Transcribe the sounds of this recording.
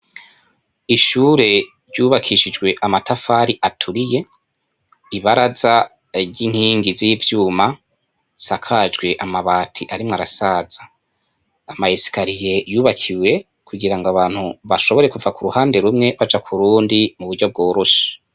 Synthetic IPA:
iʃuːɾe̞ | ɾɟuːβakʰiʃid͡ʒɡwe̞ʔamatafaːɾiʔatʰuɾije̞ | iβaɾaza | ɾɟiŋ̥hiːŋɡiziivjuːma | sakʰad͡ʒɡwe̞ʔamaβaːtʰiʔaɾimŋaɾasaz̥aː | maisi̥kaɾije̞juːβakʰiwe̞ | kuɡiɾaŋɡaβaːn̥huβaʃo̞βo̞ɾe̞kuvakuɾuhaːnde̞ɾumŋe̞βad͡ʒakʰuɾuːndimuβuɾɟo̞b̚ɡo̞ːɾoʃḁ

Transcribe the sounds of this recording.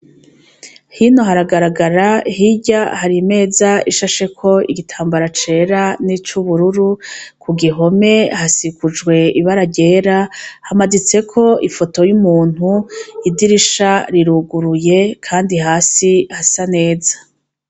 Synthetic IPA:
hino̞ɦaɾaɡaɾaɡaɾahiɟahaɾime̞ːzaiʃaʃe̞kʰo̞ḭɡitʰaːmbaɾat͡ʃe̞ːɾanit͡ʃuβuɾuɾukʰuɡiɦo̞me̞hasikud͡ʒɡwe̞iβaɾaɟe̞ːɾahamadit͡se̞kʰo̞ifoto̞jumuːn̥uidiɾiʃaɾiɾuɡuɾuje̞kʰaːndihaːsihasane̞ːzḁ

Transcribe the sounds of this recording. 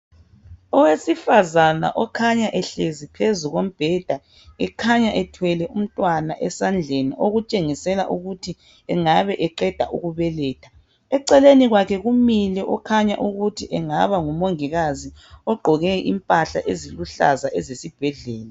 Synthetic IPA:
ɔwesifazana̰ʔɔkʰaɲaʔɛɬezipʰezuɣom̩b̥ʱɛd̥ʱa | ɛkʰaɲaʔɛtʰwɛlɛʔum̩tʼwanaʔɛsand͡ɮʱeniʔoɣut͡ʃʼeŋisɛla̰ʔuɣutʰi | ɛŋaβɛʔɛǃɛd̥ʱa̰ʔṵɣuβɛlɛːtʰḁ | ɛǀɛleniɣwakʰɛɣumilɛʔɔkʰaɲaʔuɣutʰiʔɛŋaβaŋumoŋiɣaziɔɡ͡ǃʱɔɣɛḭmpʼaɬa̰ʔeziluɬa̰zaʔɛzesib̥ʱɛɮɛːla

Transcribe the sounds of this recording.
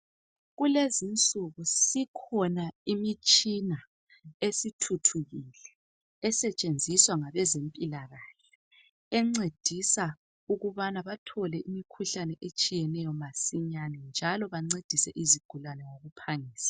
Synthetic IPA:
ɣulezint͡sʼuɣusikʰɔnaimit͡ʃʼina | esitʰutʰuɣilɛː | sɛt͡ʃʼend͡zʱiswaŋaβɛzempʼilaɣaɬɛ̥ | ɛŋ͡ǀed̥ʱisa | uɣuβanaβatʰɔlɛʔimikʰuɬanɛʔet͡ʃʼijɛnɛjɔmasiɲanɛnd͡ʒʱalɔβaŋ͡ǀed̥ʱisɛʔiziɡ̥ʱulwanɛwoɣupʰaŋiːsḁ

